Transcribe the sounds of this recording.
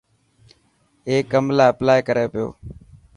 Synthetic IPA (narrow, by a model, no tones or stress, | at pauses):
eːkːəmlaːəplaːekəɾeːpɪjo̰ː